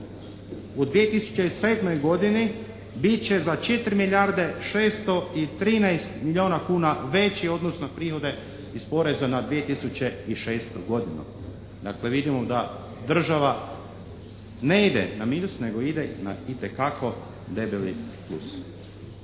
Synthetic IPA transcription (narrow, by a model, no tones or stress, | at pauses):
ud̪ʋije̞t̪isu̥t͡ɕe̞ise̞ːd̪mo̞jɡo̞d̪ini | bit̪̚t͡ɕe̞zat͡ʃe̞t̪ɾimiʎjaɾd̪e̞ʃeːst̪o̞it̪ɾiːnajst̪milʎʲioːnakuːnaʋe̞t͡ɕieo̞d̪nosnopɾiːxo̞d̪e̞ | ispo̞ɾe̞zanad̪ʋije̞t̪isut͡ɕe̞iʃe̞ːst̪oɡo̞d̪inṵ | d̪akle̞ʋid̪imod̪a | d̪r̩ʒaʋa | ne̞id̪e̞̰namiːnusne̞ɡo̞id̪ena̰it̪e̞kako̞ | d̪ebelḭplˠṵs